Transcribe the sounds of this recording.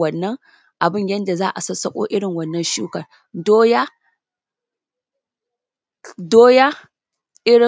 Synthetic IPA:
wɐ˦˨nːɐ˦ŋ | ʔa˨bɪ˦ɲjɐ˦nda˨zaː˦ʔa˨sɐ˦sɐ˦kʷʼo̰ː˦ʔɪ˦ɽɪ˨ŋwɐ˦nːɐ˦nʃuː˦kɐ˨r | doː˦ja˦ | doː˦ja˦ | ʔɪ˦ɽɪ˨

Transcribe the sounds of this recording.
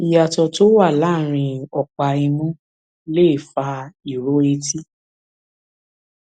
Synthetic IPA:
i˨ja˨tɔ˧to˦wa˦˨la˦˨ɾ̃ĩ˧ɔ˨k͡pa˧i˧nũ˦ | le˦˨fa˧i˨ɾo˨˦e˧ti˦

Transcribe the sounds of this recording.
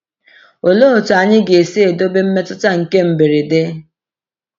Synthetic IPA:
o˨lo˦o˨tu˨a˨ɲɪ˦ɡe˨si˦e˨do˦be˦m̩˦me˦tʊ˦ta˦ŋ̩˨ke˦m̩˨bɪ˨ɾɪ˨dɪ˦

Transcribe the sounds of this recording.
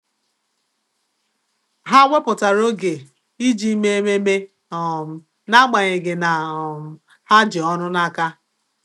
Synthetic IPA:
ɦa˦wʷe˦pʊ˨ta˨ɾo˦ɡe˨ | i˦d͡ʒi˦me˦e˦me˦me˦ | ɔ˨m̩˨˦ | na˦ɡ͡ba˨ɲe˨ɡɪ˨na˨ | ha˦d͡ʒɪ˨ɔ˦nʊ˦na˦ka˦

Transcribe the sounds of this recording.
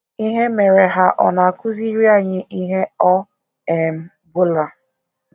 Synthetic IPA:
i˦ɦe˦me˨ɾe˨ɦa˦ʔɔ˨na˨kʊ˦zi˦ɾi˦a˦˨ɲɪ˦ʔi˦ɦe˦ɔ˦ | ɛ˨m̩˦ | bʊ˦la˨

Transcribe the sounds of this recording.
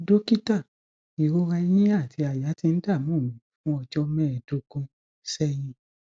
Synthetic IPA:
do˦ki˦ta˦˨ | i˨ɾo˦ɾã˧i˧˦jĩ˦a˦˨ti˧a˨ja˨˦ti˧n̩˦da˦˨mũː˦˨nũ˨˦˨fũ˦ɔ˧d͡ʒɔ˧mɛ̃˦ɛ˨do˨˦kũ˧ | sɛ˦j̃ĩ˧

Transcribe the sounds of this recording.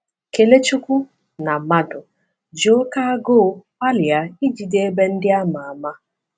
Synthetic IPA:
ke˨le˦t͡ʃu˦kʷu˦ | na˨ma˦dʊ˨ | d͡ʒo˦ka˦ɡʊ˦ | a˦lɪ˨a˨i˦d͡ʒi˨de˦e˦be˦n̩˦dɪ˦a˦ma˨a˨ma˦

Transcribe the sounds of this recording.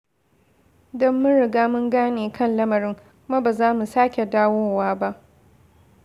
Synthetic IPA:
dɔ˦mːʊ˦nɽɪ˨ɡaː˦mʊ˦ŋɡaː˦neː˨kʰɐ˦nlɐ˦mɐ˨ɾɪ˦ŋ | kʷʊ˦ma˦baː˨zaː˦mu˨saː˦kʲe˨daː˦woː˦waː˦ba˦ʔ

